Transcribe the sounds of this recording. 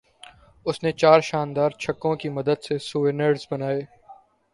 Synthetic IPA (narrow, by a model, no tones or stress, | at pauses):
ʊsnet͡ʃaːɾʃaːnd̪aːɾt͡ʃʰɐkːõkimɐd̪əd̪sesuːʋɪnəɖzbɐnaːeː